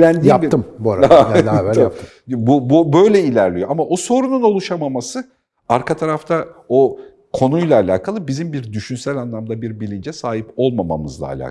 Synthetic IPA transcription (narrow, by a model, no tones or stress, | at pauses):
lænd̪ijait̪ʰːɯmbuaɾaa | bububø̞jlʲɛilʲæɾlʲijo̞ʔamaʔoso̞ɾununo̞lˠuʃamamasɯ | aɾkʰat̪ʰaɾaft̪ʰao | kʰo̞nujlˠaːlʲa̰ːkʰalˠɯbizimbiɾd̪yʃynsælʲanlˠamd̪abiɾbilʲind͡ʒɛsaːɦipo̞lˠmama̰mɯzlˠa̰ːlʲa̰ː